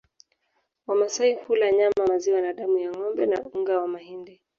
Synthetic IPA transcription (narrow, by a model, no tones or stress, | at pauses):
wamasaihulaɲamamaziwanaɗamujaŋɔmbɛnauŋɡawamahindi